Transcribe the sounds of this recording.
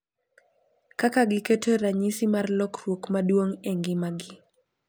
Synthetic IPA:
kakaɡɪketʰeɾaɲisimarlɔkrwokmadwoŋeŋɡɪmaɡɪ

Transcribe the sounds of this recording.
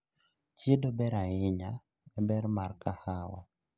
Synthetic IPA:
t͡ʃedobɛɾaɪɲa | ɛbɛɾmarkahawa̰

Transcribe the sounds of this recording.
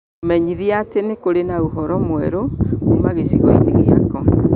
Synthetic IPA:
mɛɲiðiatenekoɾenauɦɔɾɔmwɛɾoumaɣesiɣɔḭɲiɣiakɔ

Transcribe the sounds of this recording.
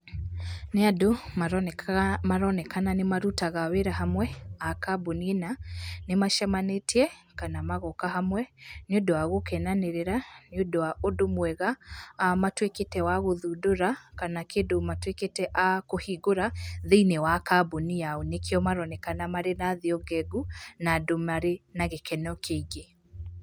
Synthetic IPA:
neadomaɾɔnɛmaɾɔnɛkananemaɾutaɣaweɾaɦamwɛakaboninanemaʃɛmaneteɛkanamaɣɔkaɦamwɛneodɔwaɣokɛnaneɾeɾanodowaʔodomwɛɣaːmatweketɛwaɣoðudoɾakanakendomatweketɛʔakohiɡoɾaðeinewakabunijaonekeɔmaɾɔnɛkanamaɾenaðiɔɡɛɡunadomaɾenaɣekɛnɔkʰeiɡe

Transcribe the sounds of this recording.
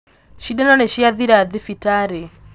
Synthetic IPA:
ʃidɛnɔnɛʃiaðiɾaðifitaɾe

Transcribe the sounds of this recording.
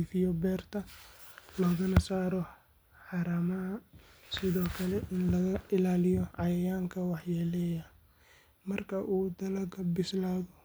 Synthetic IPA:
ifɪjɔbɛːrt̪ʰɐ | lɔːɣɐnɐsaːɾɔ | ħɑɾɐmɐɦɐ | sɪðɔːkʰɐlɛʔɪnlɐɣɐɪlaːlɪjɔʕɑjɐjaːŋkʰɐwɑħjɛlɛːjɐ | mɐrkʰɐʔuːd̪ɐlɐɡɐbɪslaːðɔ

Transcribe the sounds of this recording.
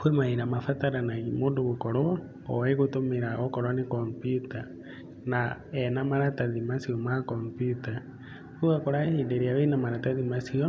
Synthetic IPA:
kwemaiɾamafataɾanaimuːndoɣukoɾoa | owaiɣotomiɾaokoɾwanikompiuta | na | enamaɾataðimasiomakompjuta | kuɣakoɾahindeɾiaβenamaɾataðimasio

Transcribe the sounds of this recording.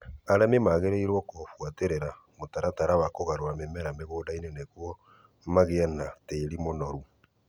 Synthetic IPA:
aɾɛmemaɣeɾeiɾwɔkofwateɾeɾa | motaɾataɾawakoɣaɾwamemɛɾameɣoːdaineneɣwɔ | maɣeanateːɾimonɔɾu

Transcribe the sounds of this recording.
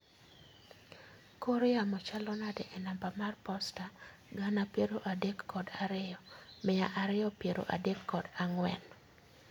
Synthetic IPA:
koɾɪamɔt͡ʃalɔnadɛʔɛnambamarpɔsta | ɡanapjeɾoʔadekːɔdaɾɪɔmɛaʔaɾɪɔpjeɾo̰ʔa̰dekːɔdaŋwɛ̰n

